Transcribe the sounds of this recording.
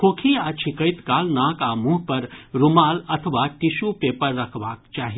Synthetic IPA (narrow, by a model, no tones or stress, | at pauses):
kʰokʰiat͡ʃʰikəjt̪kaːlnaːkamuɦpɐɾɾumaːlɐt̪ʰəʋaːʈisupepəɾːɐkʰbaːk̚t͡ʃaːɦi